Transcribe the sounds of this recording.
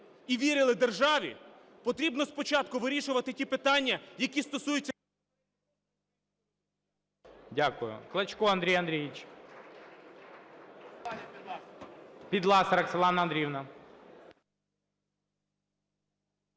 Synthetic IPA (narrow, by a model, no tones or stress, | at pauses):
iʋʲiɾʲɪlˠɪd̪erʒɑʋʲḭ | pɔt̪ɾʲibnɔspɔt͡ʃɑt̪kʊʋɪɾʲiʃʊʋɐt̪ɪtʲipɪt̪ɑnʲːɐjɐkʲist̪ɔsujʊt͡sʲːɐ | dʲakʊjʊ̰klˠɐt͡ʃkɔɐnd̪ɾʲijɐnd̪ɾʲijit͡ʃ | pʲid̪lˠɑsɐɾɐksɐlˠɑnɐɐnd̪ɾʲiwnɐ